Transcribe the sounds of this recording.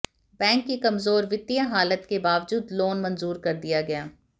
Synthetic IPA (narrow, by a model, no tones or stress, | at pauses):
bɛ̃ːŋkːikɐmzoːɾʋɪt̪ːijãɦaːlət̪kebaːʋd͡ʒuːd̪loːnmɐ̃nzuːɾkɐɾd̪ijaɡɐjaː